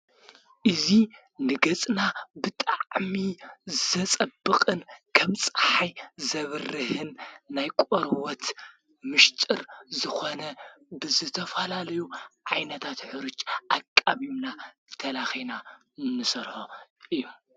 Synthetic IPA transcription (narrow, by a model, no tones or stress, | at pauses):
ʔɨzi | nɨɡɐt͡sʼnabɨt̪ʼaʕmizɐt͡sʼɐbːɨkʼɨnkʰɐmt͡sʼħajzɐβɨrːɨhɨnːajkʼoɾwɔt̪ | mɨʃt̪ʼɨɾzɨxonɐbɨzɨt̪ʰɐfɐlalɐjuʕajnɐt̪ʰat̪ħɨɾɨt͡ʃʼʔakʼːaβimna | t̪ʰɐlaxina | nɨsɐɾħoʔɨjːu